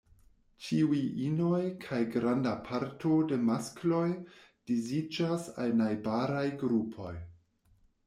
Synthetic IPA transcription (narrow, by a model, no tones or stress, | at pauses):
t͡ʃiuiʔino̞jkʰajɡɾandapʰaɾto̞de̞masklo̞j | d̥izid͡ʒasalnajbaɾajɡɾupʰo̞j